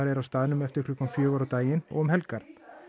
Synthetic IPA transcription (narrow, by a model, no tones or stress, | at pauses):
aɾɛɾawst̪aːðɪnʏmɛft̪ɪɾ̥kʰlʏhkːamfjœːɣʏɾawt̪aːjɪnɔ̰ɣɔmɦɛlkaɾ